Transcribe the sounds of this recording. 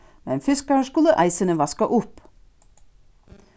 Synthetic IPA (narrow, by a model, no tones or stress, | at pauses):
mɛnfʏsk̚əhɑːʃkuːləʔæɪsənəʋɑskəʔʊp